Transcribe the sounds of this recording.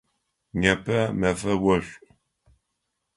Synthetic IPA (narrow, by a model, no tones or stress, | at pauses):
ɲɐpʰɐmɐfɐwɐɕʷʼ